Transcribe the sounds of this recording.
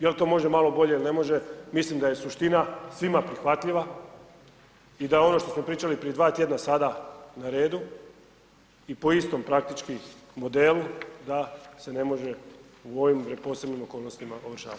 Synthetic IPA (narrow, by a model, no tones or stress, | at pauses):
jelt̪o̞ːmo̞ʒe̞malo̞bo̞ʎe̞ilne̞mo̞ʒe̞mislimd̪aje̞suʃt̪inasʋimapɾixʋat̪ʎiʋa | id̪ajeo̞no̞ʃt̪osmo̞pɾiːt͡ʃalipɾije̞d̪ʋaːt̪je̞d̪nasad̪anaɾe̞ːd̪u | ipo̞ist̪o̞mpɾakt̪it͡ʃkimo̞d̪e̞lud̪ase̞ne̞mo̞ʒe̞ | uo̞ʋimpɾepo̞ːsebnimo̞ko̞ːlˠnost̪imaoʋrʃa̰ːat̪